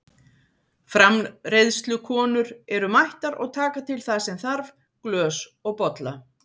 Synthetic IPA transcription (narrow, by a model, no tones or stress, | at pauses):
fɾamrejðst̪lʏkʰɔːnʏɾɛɾʏmajht̪aɾɔ̰ɣt̪ʰaːkat̪ʰɪlθasɛmθaɾv | klœːsɔɣpɔt̪la